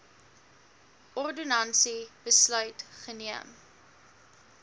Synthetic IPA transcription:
ɔrdunɐnsib̥əslœɥtχəniəm

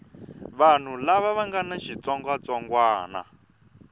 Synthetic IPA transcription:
βan̤ulaβaβaŋɡanaʃit͡sɔŋɡwat͡sɔŋɡwaːna̰

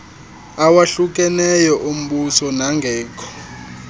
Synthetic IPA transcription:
awaɬuk̬ʼɛnɛjɔʔum̩ɓusɔnaŋɡʱɛːkʰɔ̥

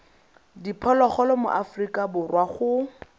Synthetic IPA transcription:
dipʰɔlɔχɔlɔmʊ̰ʔafrikʼabʊrwaχʊ

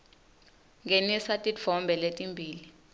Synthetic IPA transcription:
ŋʱenisatʼifɔmbʱɛletʼimbʱiːli

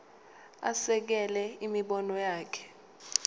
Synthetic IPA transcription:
a̰sɛk̬ɛlɛimiɓɔnɔjaːkʰɛ̥

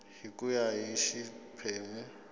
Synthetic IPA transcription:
hikʼujaɦiʃipʰɛːmɛ

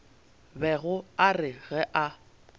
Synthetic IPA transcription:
bɛɣʊarɪɣɛʔa

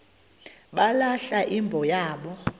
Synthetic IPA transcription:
ɓalaɬaʔimbʱɔjaːɓɔ

